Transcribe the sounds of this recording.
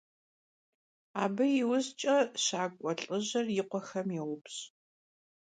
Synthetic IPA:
aːbɨjɪwʊzt͡ʃʼɐɕaːkʷʼɔɬʼɨʑɐrjɪqʷɔxɐmjɛwʊpɕ

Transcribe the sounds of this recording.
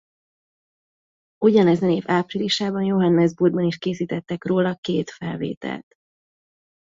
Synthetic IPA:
uɟɒnɛzɒneːvaːpriliʃaːbɒnjoɦɒnːɛzburd̪bɒniʃkeːsiːt̪ɛt̪ːɛkroːlɒkeːt̪fɛlvḛːt̪ɛ̰lt̪

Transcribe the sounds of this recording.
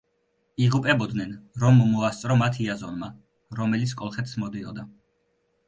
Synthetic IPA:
iʁupʼɛbɔd̪nɛnɾɔmːɔast̪sʼɾɔmat̪ʰiazɔnma | ɾɔmɛlit̪sʰkʼɔlˠχɛt̪ʰsmɔd̪iɔ̰d̪a

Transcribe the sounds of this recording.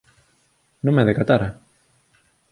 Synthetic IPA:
nõŋmɛðekat̪aɾa

